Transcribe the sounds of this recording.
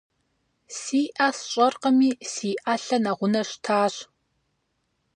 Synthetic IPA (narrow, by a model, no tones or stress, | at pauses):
siːʔasɕʼɐrqəmiːsiːʔaːɬɐnaʁʷʊnɐɕtʰaːɕ